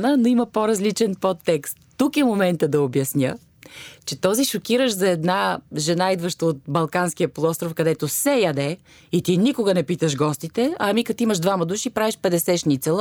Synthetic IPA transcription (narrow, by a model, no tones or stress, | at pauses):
nənoimɐpoɾɐzlit͡ʃɛnpot̪ːɛkst̪ːukɛmomɛnt̪əd̪ɐobjɐsnʲjə̰ | t͡ʃɛt̪ɔziʃokiɾəʃzɐɛd̪naʒɛnaid̪vəʃt̪əːt̪̚bɐlˠkansk̟ijəpolˠɔst̪ɾofkɐd̪ɛt̪osɛjɐd̪ɛ | it̪inikʊɡənɛpit̪əʒɡɔst̪it̪ɛɐmikɐt̪iiməʒd̪vamɐd̪uʃipɾaviʃpɛd̪ɛsɛʃnʲit̪sɛlˠ